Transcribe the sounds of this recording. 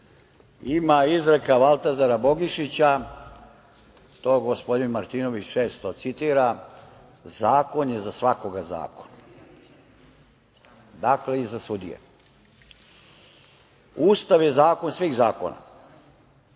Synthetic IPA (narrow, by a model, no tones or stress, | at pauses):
imaizɾekaʋalˠt̪azaɾabo̞ɡiʃit͡ɕa | t̪o̞ːɡospo̞d̪inmaɾt̪ino̞ʋit͡ɕt͡ʃe̞ːst̪o̞t̪sit̪iːɾa | zaːko̞njezasʋako̞ɡaza̰ːko̞̥n | d̪akle̞izasud̪ijḛ | uːst̪aʋje̞zaːko̞nsʋiːɣzaːko̞̰na̰